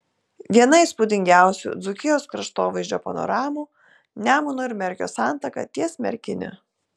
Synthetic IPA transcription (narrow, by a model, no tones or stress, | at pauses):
ʋʲiɛnɐɪspʊd̪ʲɪŋʲɡʲæˑʊsʲṵːd̪zʊkʲɪjoːskɾɐʃt̪oːʋɐɪzʲd͡ʒʲoːpɐnɔ̰ɾɑːmuː | nʲæːmʊnʊɪɾmʲɛɾʲkʲo̰ːsɑˑnt̪ɐkɐ̰t̪ʲiɛsmʲɛ̰ɾʲkʲɪnʲɪ̰